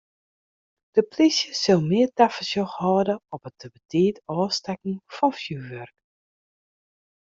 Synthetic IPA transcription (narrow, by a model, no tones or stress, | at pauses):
d̥əpʰlisjəsølˠmɪərtafəsjoxhɔːdəɔpətəbətʰɪːətɔːstɛkŋ̩fɔnfjyʋørk